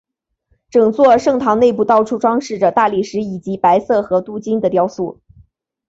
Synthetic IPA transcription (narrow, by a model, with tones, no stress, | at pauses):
ʈ͡ʂɤ˨˩ŋt͡swɔ˥˧ʂɤ˥˩ŋt̪ʰɑ˧˥ŋne˥˧ɪp̬u˥˧t̪ɑ˥˩ʊʈ͡ʂʰu˥ʈ͡ʂwɑ˥ŋʂɻ̩˥˩ʈ͡ʂə˩t̪a˥˧li˥˩ʂɻ̩˧˥i˨˩t͡ɕi˧˥pa˧˥ɪsɤ˥˩xɤ˧˥t̪u˥t͡ɕi˥ŋd̪ə˨t̪jɑ˥ʊsu˥˩